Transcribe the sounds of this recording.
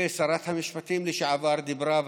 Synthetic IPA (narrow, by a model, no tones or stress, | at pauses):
esɑɾˤat̪hamɪʃpat̪imlɪʃaʕavɑːɾd̪ɪbɾɑːv